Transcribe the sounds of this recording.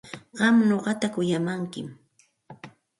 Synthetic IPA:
ɢɑmnoɢɑt̪akʊjamaŋkɪ̰m

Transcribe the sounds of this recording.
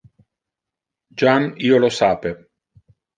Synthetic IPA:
d͡ʒaniːolosaːpe

